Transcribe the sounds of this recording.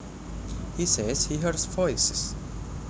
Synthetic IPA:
hisɛz̥hiɦɜɹzvɔɪsɪs

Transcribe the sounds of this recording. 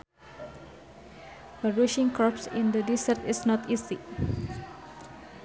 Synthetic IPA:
fəɹiʃɪ̃ŋkɾɔpsɪ̃ndədisərt̪ɪsnɔt̪isḭ

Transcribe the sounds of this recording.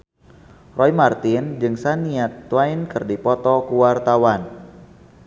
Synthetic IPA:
rɔjmart̪ɪnd͡ʒɨŋsaniat̪ːwainkɨrdipɔt̪ɔkuwart̪awan

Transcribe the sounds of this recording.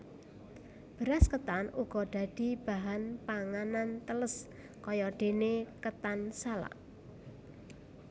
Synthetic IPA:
b̥əɾaskət̪anuɡ̥ɔɖ̪̥ä̤d̪̥i̤b̥a̤ɦanpaŋanant̪ələs | kɔjɔɖ̪̥e̤nekət̪ansala̰

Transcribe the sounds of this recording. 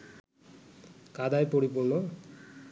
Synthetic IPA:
kad̪ajpoɽipolo

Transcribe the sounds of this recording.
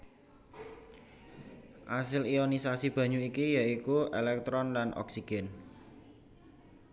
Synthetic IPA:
ʔasɪliɔnisasib̥ä̤ɲuikijaikuelɛk̚t̪ɾɔnlanʔɔ̰ksiɡ̥ɛn

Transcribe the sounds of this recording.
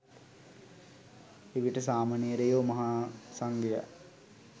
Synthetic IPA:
iʋiʈəsaːmaːnijəɾejoːmɐɦasaŋɡeja̰

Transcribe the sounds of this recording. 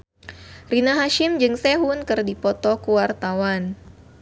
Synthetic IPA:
rinaɦaʃimd͡ʒɨŋseɦunkɨrdipɔt̪ɔkuwart̪awan

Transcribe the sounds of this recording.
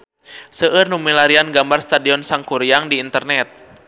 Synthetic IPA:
səʔɨrnumilaɾianɡambarst̪adiɔnsaŋkuɾiaŋdiːnt̪ərnɛt̪̚

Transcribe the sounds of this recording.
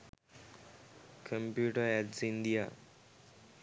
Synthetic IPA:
kʰə̃mpjuːʈəɾɛʈsind̪ija

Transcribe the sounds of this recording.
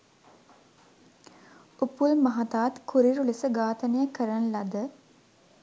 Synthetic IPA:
upulmɐɦat̪aːt̪kʰuɾiɾulisəɡaːt̪ənejəkəɾanlad̪ə

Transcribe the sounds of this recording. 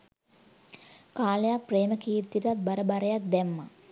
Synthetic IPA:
kaːlejapːreːməkiːɾt̪ːiʈat̪̚baɾəbaɾɐjat̪̚d̪ɛmːa̰

